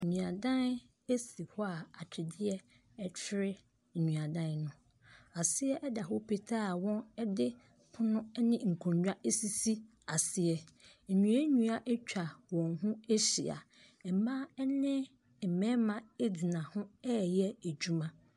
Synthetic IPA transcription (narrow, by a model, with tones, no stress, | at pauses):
ɲũ˨a˨dã˦n | e˦si˨hɔ˦a˨a˨t͡ɕᶣʰɪ˨dɪ˦ɛ˦ | ɛ˨t͡ɕʰɪ˦ɾɪ˦˨ | ɲũ˨a˨dã˦nnʊ̃˦ | a˨sɪ˦ɛ˦ʔɛ˦da˨ɦʊ˦pʰe˦tʰa˦˨wɔ̃˦nɛ˦dɪ˦ | pʰʊ˦nʊ̃˦ɛ˦nɪ̃˦ŋ̩˨kʰɔ̃˨ɲd͡ʑᶣa˦ʔe˦si˦si˦ | a˨sɪ˦ɛ˨ | ɲũ˨a˦ɲũ˨˦a˦ʔɛ˦t͡ɕᶣa˨wɔ̃˨nɦũ˦e˦ɕḭ˨a̰˨ | ɛ˨mã˦ɛ˦nɪ̃˦˨ | m̩˨mɛ̃˦mã˨e˦di˨nã˨hʊ̃˦ɛ˦˨jɛ˦æ˨d͡ʑu˦mã˦